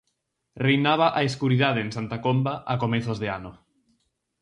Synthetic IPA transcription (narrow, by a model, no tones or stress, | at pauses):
rejnaβ̞aʔaeskuɾið̞að̞eːnsant̪akombaʔakomeθozðeano